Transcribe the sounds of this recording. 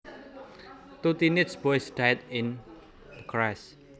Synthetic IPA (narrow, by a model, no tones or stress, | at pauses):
t̪ut̪inɪtsbɔsdɛt̪ɪ̃n | d̪əkʰɹas